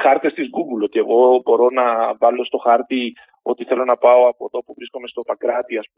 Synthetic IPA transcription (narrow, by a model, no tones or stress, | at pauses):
xɐɾt̪e̞st̪izɡuɡulo̞t̪ie̞ɣo̞bo̞ɾo̞nɐvɐlo̞st̪o̞xɐɾt̪i | o̞t̪iθe̞lo̞nɐpɐo̞ɐpoðo̞puvɾisko̞me̞st̪o̞pɐkɾɐt̪iɐspu